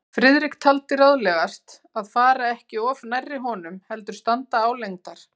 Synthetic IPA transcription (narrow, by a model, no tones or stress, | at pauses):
fɾɪðɾikt̪ʰalt̪ɪraðlɛɣast̪ | aðfaːɾaɛhcɪɔfnajrːɪɦɔnʏmhɛl̪t̪ʏɾ̥st̪ant̪aːwlejŋt̪aɾ̥